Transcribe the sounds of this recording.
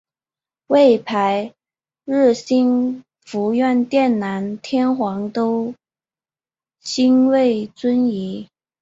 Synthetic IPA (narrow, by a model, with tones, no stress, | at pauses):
we˥˩ɪpʰa˧˥ɪ | ɻ̩˥˩ɕi˥n | fu˧˥ɥɛ˥˧nt̪jɛ˥˩nna˧˥nt̪ʰjɛ˥nxwɑ˧˥ŋt̪o˥ʊ | ɕi˥nwe˥˩ɪt͡swə˥ni˧˥